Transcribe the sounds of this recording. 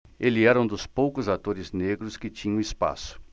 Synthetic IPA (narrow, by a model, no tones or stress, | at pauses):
elɪɛɾɐũd̪ʊspowkʊzat̪oɾɪzneɡɾʊskɪt͡ʃĩɲɐ̃ispa̰sʊ̥